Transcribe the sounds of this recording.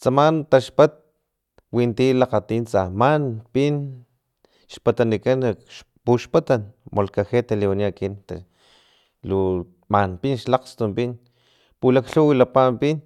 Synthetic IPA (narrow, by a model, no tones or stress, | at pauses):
t͡samant̪aʃpat̪̚ | wint̪ilaqat̪iːnt͡samanpin | ʃpat̪anikanaʃ | puʃpat̪anmʔolkaxet̪aliwaniakint̪a | lu | manpinʃlaqst̪umpin | pulakɬuwilapampin